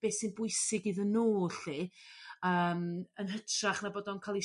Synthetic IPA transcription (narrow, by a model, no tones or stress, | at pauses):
b̥eːsɪnbʊɨsɪɡiðənoːɬi | əːmənɦətʰraχnaboːdɔnkʰalˠi